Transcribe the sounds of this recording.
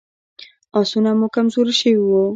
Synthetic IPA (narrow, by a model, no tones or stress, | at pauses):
ɑsunamukamzoɾiʃəwiwu